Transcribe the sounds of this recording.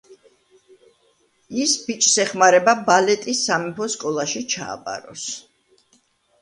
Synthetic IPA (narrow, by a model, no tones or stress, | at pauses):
isbit͡ʃʼsɛχmaɾɛbabalɛt̪ʼisːamɛpʰɔskʼɔlˠaʃit͡ʃʰa̰ːpʼa̰ɾɔ̰s